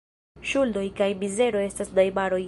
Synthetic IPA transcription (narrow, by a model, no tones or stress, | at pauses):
ʃuldo̞jkajmize̞ɾo̞e̞stasdajmaɾo̞j